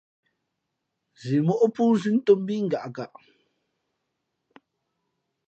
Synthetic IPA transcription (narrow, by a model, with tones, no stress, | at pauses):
zi˨mɔ˦ʔo˦puː˦zi˦n̩˦to˦m˦bi˦ŋ̩˨ɡa˨ʔɡa˨ʔ